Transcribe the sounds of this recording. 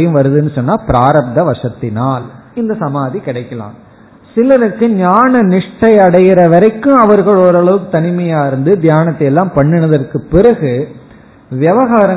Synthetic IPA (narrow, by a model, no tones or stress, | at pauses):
jɯ̃mʋɐɾɯðɯɛnːɯsɔnːaːpɪɾaːɾɐb̚d̪ɐʋɐʂɐt̪ːɪnaːlɪnd̪ɐsɐmaːðikɪɽɐɪkːɐlã̰ːm | sɪlɐɾɐkːɯɲaːnɐnɪʂʈɐɪɐɽɐjɪɾɐʋɐɾɐɪkːɯ̃ɐʋɐɾɣɐɭɔːɾɐɭɐʋɯkːɯt̪ɐnɪmɐjaːɪɾɯnd̪ɯd̪jaːnɐt̪ːɐjɛlːaːmpɐɳːɯnɐðɐrkɯpːɪɾɐɣɯ | ʋjɛʋɐɣaːɾɐ